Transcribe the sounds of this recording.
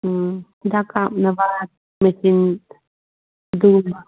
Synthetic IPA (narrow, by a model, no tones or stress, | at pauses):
d̪akamnaba | mesin | d̪umba